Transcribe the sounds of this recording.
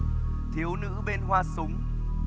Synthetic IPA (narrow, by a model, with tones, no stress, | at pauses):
t̪ʰi˨˦əwnɨ̰˧˥ɓe˧nɦwaː˧sʊ˨˦ŋ͡m